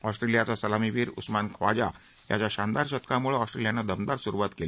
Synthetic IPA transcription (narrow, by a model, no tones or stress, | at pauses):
ɔsʈɾelijat͡sasəlamiʋiːɾṵsmankʰʋa̰d͡ʑa̰ | ja̰t͡ɕjaɕand̪aɾɕət̪kamuɭəɔsʈɾelijanːad̪əmd̪aɾsuɾuʋat̪kel